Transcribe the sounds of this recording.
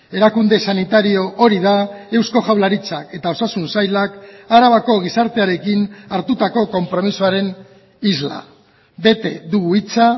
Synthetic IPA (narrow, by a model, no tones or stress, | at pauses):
e̞ɾakund̪e̞sanit̪aɾio̞ʔo̞ɾiðae̞wsko̞ʝawlaɾit͡sake̞t̪ao̞sasunsajlakaɾaβ̞ako̞ɣ̞isaɾt̪e̞aɾe̞kinaɾt̪ut̪ako̞ko̞mpɾo̞misuaɾe̞n | izla̰ | be̞t̪e̞ðuɣuit͡sa